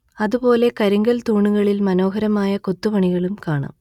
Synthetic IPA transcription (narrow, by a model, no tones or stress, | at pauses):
ɐðupo̞ːle̞kɐɾuŋɡɐlt̪uːɳuɣɐɭilmɐno̞ːɦɐɾɐmaːjɐko̞t̪ːuʋɐɳiɣɐɭumkaːɳa̰m